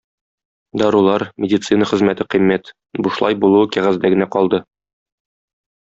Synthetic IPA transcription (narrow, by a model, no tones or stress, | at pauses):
d̪ɒɾulˠɑɾmʲɪdʲit̪sɨnəχɘ̆zmæt̪ɘqimːæt̪ | buʃlˠɑ̰jbulˠukæʁæzd̪æɡɘ̆næqɒlˠd̪ɤ